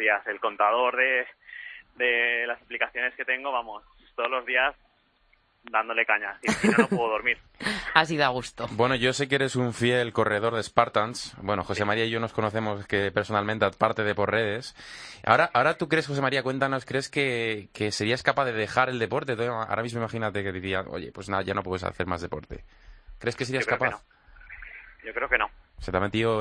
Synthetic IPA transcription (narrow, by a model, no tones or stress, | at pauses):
iase̞lko̞nt̪aðo̞ɾðe̞ | d̪e̞lasaplikaθjo̞ne̞ske̞t̪e̞ŋɡo̞βamos | t̪oðozlo̞zðias | d̪and̪ole̞kaɲasifnanopweðoðoɾmiɾ | as̬iðoaɣ̞ust̪obwe̞no̞ʝo̞se̞keeɾe̞suɱfje̞lko̞reð̞o̞ɾð̞espaɾt̪ansbwe̞no̞xo̞se̞maɾiaiʝono̞sko̞noθe̞mo̞skepe̞ɾso̞nalment̪eapaɾt̪eðe̞po̞ɾre̞ðe̞sa̰oɾaʔaoɾat̪ukɾe̞sxo̞s̬e̞maɾiakwe̞nt̪ano̞skɾe̞ske̞ke̞se̞ɾiaskapaðeðe̞xaɾe̞ld̪e̞po̞ɾt̪e̞t̪uʔa̰ɾamizmoimaxinat̪e̞keðiɾiano̰ʝe̞̰pwe̞znaʝano̞pwesa̰θe̞ɾma̰zðe̞po̞̰ɾt̪e̞̰kɾe̞skes̬eɾiaskapaθ | jokɾeokenoset̪ament̪io